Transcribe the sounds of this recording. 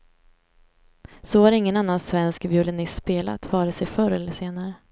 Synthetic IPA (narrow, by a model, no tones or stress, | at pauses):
sɔvaɾɪŋːənanːansvɛnskvjɵlɛnɪst̪ːspeːla̰t̪ʰvɑːɾɪt̪sɛjfœɾɛlːəʂeːnaɾə